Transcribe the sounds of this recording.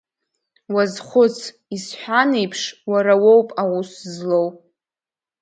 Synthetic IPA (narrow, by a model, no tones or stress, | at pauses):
wazχʷʊt͡sʰ | isħʷᶣanejpʰʂwaɾawowpʼaʁʷuszlow